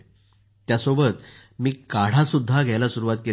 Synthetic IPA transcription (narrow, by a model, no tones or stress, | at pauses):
t̪jasobət̪ | miːkaɽ̤asud̪ʱːaɡʱjɛjlasuɾuʋat̪̚ke